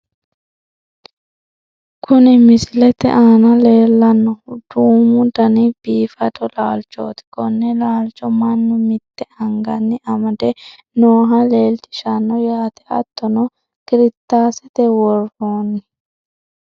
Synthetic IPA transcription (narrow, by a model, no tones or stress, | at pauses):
kʰʊnɪmɪsɪlɛt̪ɛ̰ʔaːnɐle̞ːlːɐnːɔd̪̥uːmʊd̪ɐnɪb̥iːfɐt̪ʼɔlaːlt͡ʃo̰ːt̪ɪ̥kɔnːɛlaːlt͡ʃʼːɔmɐnːʊmɪt̪ːɛɐŋɡɐnːɪʔɐmɐd̪ɛ | noːɦɐle̞ːlt̪ɪ̥ʃɐnːɔjaːt̪ɛʔɐ̰t̪ːɔnɔ | kɪɾɪt̪ːaːsɛt̪ɛwɔroːnɪ